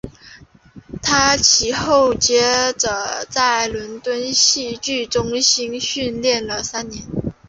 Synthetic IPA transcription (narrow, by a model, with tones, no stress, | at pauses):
t̪ʰa˥t͡ɕʰi˧˥xo˥˩ʊt͡ɕjɛ˥ʈ͡ʂə˨˩t͡sa˥˩ɪlwə˧˥nt̪wə˥nɕi˥˧t͡ɕy˥˩ʈ͡ʂʊ˥ŋɕi˥ŋɕy˥˧nljɛ˥˩nlə˩sa˥nnjɛ˧˥n